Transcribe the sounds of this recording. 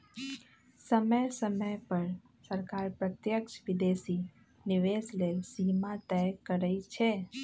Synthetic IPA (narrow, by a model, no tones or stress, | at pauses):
səməjsəməjpəɾ | səɾkaɾpɾət̪jəkʃʋɪd̪esi | nɪʋeslelsimãt̪ɛkːəɾəit͡ʃʰe